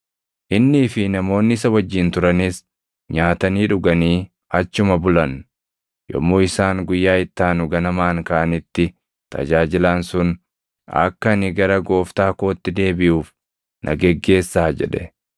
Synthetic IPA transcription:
ʔɪnːɪːfɪnɐmo̞ːnːɪɪsɐwɐd͡ʒːɪːnt̪ʊɾɐnɪs | ɲaːt̪ɐniːᶑʊɡɐniː | ɐt͡ʃːʊmɐbʊlɐn | jɔ̰mːoːɪsaːŋɡʊjːaːɪt̪ːaːnʊɡɐnɐmaːŋkaːʔɐnɪt̪ːɪ | t̪ɐ̰d͡ʒaːd͡ʒɪlansʊn | ɐ̰kːɐnɪɡɐɾɐɡo̞ːft̪aːko̞ːt̪ːɪd̪e̞ːbɪʔuːf | nʔɐ̰ɡɛɡːe̞ːsːaːd͡ʒɛ̰ᶑɛ̥

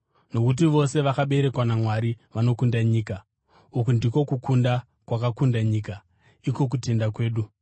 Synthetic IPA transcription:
no̞kut̬iʋo̞se̞ʋakaɓe̞ɾe̞kwanamwaɾiʋano̞kundaɲiːka | ukundiko̞kukʰunda | kwakakundaɲiːka | iko̞k̬ute̞ndakwe̞ːɗu

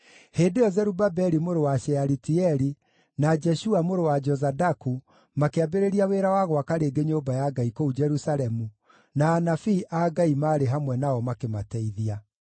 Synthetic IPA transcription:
heːdejɔzɛɾubabɛɾimoɾowaʃɛaɾitiɛɾi | nad͡ʒɛʃuamoɾowad͡ʒɔzadaku | makeabeɾeɾiaweɾawaɣwakaɾeːɡeɲoːbajaɡaikoud͡ʒɛɾusalɛmu | naːnafiʔaɡaimaːɾeɦamwɛnaɔmakematɛiðia

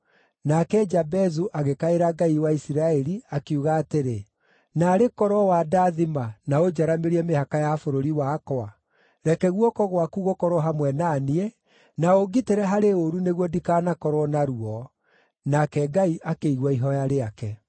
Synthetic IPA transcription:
nakɛd͡ʒabɛzuʔaɣekaeɾaɡaiwaisiɾaɛɾiakeuɣaːteɾe | naːɾekɔɾɔwadaðimanaod͡ʒaɾameɾiɛmehakajafoɾoɾiwaːkɔa | ɾɛkɛɣwɔkɔɣwakuɣokɔɾɔɦamwɛnaːniɛ | naoɡiteɾɛɦaɾeoɾuneɣwɔdikaːnakɔɾwɔnaɾuɔ | nakɛɡaiʔakeiɣwaiɦɔjaɾeakɛ

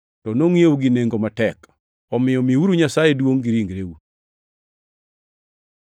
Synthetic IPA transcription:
tɔnoŋjeuɡineŋɡomatɛk | ɔmɪjɔmiuɾuɲasajedwoŋɡiɾiŋɡɾeu

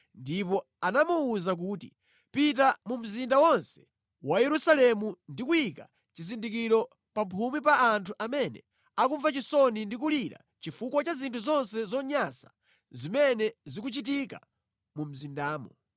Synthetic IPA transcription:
ndipɔ | anamuːzak̬uːti | pit̬amum̩zindawɔnsɛ̥ | wajɛɾusalɛmundikujika | t͡ʃizindikiɾɔ | pampʰumip̬aːntʰuʔamɛnɛ̰ | akuɱvat͡ʃisɔnindik̬uliɾa̰ | t͡ʃifukwat͡ʃazintʰuzɔnsɛzɔɲasḁ | zimɛnɛzikut͡ʃit̬ika̰ | mum̩zindaːmɔ

